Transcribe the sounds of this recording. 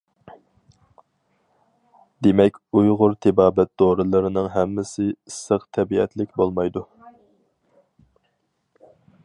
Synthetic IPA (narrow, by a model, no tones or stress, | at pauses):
d̪emɛkʲujʁʊɾt̪ʰɪbɑːbɛt̪̚d̪oɾɨlˠɨɾɨnɨŋɦɛmːɪsɪisːəqt̪ʰɛbiɛ̰t̪lɪkʲbolˠmɑjd̪u